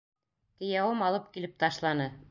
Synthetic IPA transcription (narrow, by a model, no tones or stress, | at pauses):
t̪ɘ̆jæwɤmɑlˠɤp̚kilɘp̚t̪ɑʃlˠɑnɤ